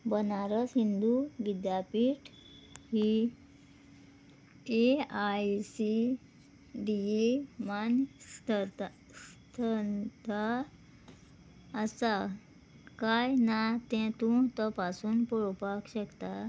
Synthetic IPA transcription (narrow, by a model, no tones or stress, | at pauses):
bənaɾəsɦind̪uʋid̪japiːʈ | hi | eajsi | ɖiemant̪ət̪ | st̪ʰənt̪a | sa | kajnat̪ɛ̃t̪ũt̪ɔpasuːnpɔɭpakɕəkt̪a